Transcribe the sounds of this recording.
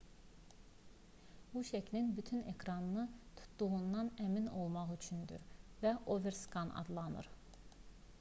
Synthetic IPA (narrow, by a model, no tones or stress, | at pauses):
buʃæcʰlinbyt̪ʰyne̞kʰɾɑnɯnɯt̪ʰu̥t̪d̪uʁund̪ɑnæmino̞lˠmɑʁyt͡ʃʰynd̪y̰ɾvæʔoveɾskʰɑnɑ̰d̪lˠɑnɯ̰ɾ